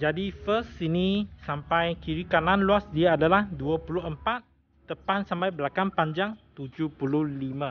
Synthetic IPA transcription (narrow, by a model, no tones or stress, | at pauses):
d͡ʒadifəstinĩsampajkiɾikanãnluasdiaadalahduapulʊɦəmpat̪̚ː | əpansampajbəlakanpaɲd͡ʒaŋt̪ud͡ʒupuluhlimã